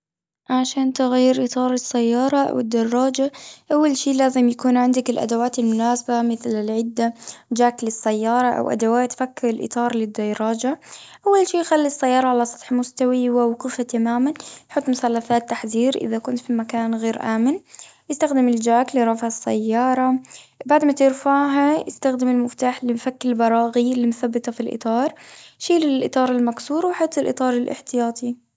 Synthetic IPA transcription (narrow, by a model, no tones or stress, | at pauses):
ʕaʃaːnt̪ʊɣajːɪɾʔɪt̪ˤɑːɾˤɪsːajːɑːɾˤɑʔa̰wɪd̪ːɑrˤːɑːd͡ʒaʔawːalʃiːlaːzɪmjakuːnʕɪnd̪akɪlʔa̰d̪awaːt̪ɪlmʊnaːsabamɪθlɪlʕɪd̪ːad͡ʒaːklɪsːajːɑːɾˤɑʔa̰wʔa̰d̪awaːt̪fakːɪɾɪlʔɪ̰t̪ˤɑːɾˤlɪd̪ːɑjɾˤɑːd͡ʒaʔawːalʃiːxalːisːajːɑːɾˤɑʕalasˤɑ̥t̪ˤħmʊst̪awiwɪwqʊfat̪amaːmanjħʊt̪ˤːmʊθalːafaːt̪ːaħðiːɾʔɪ̰ðakʊnt̪fimakaːnɣeːɾʔaːmɪnjɪst̪axd̪ɪmɪld͡ʒaːkljɾˤɑfʕasːa̰jːɑːɾˤɑ | baʕd̪mat̪ɪɾfaʕɦajɪ̰st̪axd̪ɪmɪlmʊft̪aːħlɪfakːɪlbɑɾˤɑːɣilːimʊθabːɪt̪ɑfilʔɪ̰t̪ˤɑːɾˤʃiːlɪlʔɪt̪ˤɑːɾˤɪlmaksuːɾwɪħʊːt̪ˤːɪlʔɨt̪ˤɑːɾˤɪlʔɪ̰ħt̪ɪjɑːt̪ˤi